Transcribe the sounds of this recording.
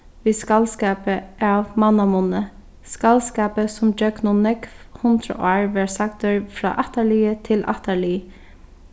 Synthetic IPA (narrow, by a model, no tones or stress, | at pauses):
ʋiːskalskaːpəʔaʋmanːamʊnə | skalskaːpəsʊmd͡ʒœɡnʊnɛkfhʊnd̪ɾə̰ʔɑːɹʋɛɹsak̚t̪əɹfɾɑ̰ːʔɑht̪aliːət̪ʰɪlʔa̰ht̪aɹliː